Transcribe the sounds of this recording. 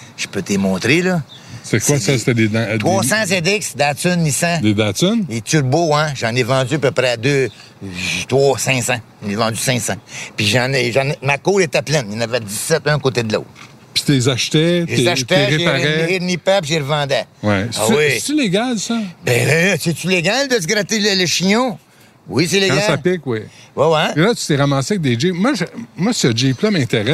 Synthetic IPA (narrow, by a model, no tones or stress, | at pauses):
ʒ̥ə̥pøt̪emɔ̃ːt̪ɾelɔ | se̥t̪ɛwasɛset̪ɛd̪ed̪t̪ʁwɔsãzɛ̃d̪ɪksd̪aːt̪ʏnːisãd̪ed̪aːt̪ʊnetyrboɛ̃ʒɑ̃nevɑ̃d͡zyapøpɾɛad̪ø | t̪wɔsɛ̃ːsããnevɑ̃d͡z̪ysɛ̃ːsãpiʒɑ̃nɛʒɑ̃nɛmakoːlet̪ɛplɛnjãːnavɛd͡zisːɛt̪œ̃kot̪ed̪lo̰ːt̪ | pi̥t̪ezaʃt̪ɛʒezaʃt̪ɛeʁeʒeaɛenipapʒeʁvɑ̃ːd̪ɛwɛsawisesyleɡʲalsʌbɛ̃ɛsɛtyleɡʲald̪əsɡɾat̪elələʃiɲɔ̃ | wiseleɡasapɪkwiwɛwɛelat̪y̥t̪ɛʁamaːsɪɛk̚d̪ed͡ʒemwaʒəmwasəd͡ʒeplʌmɛ̃t̪eʁɛ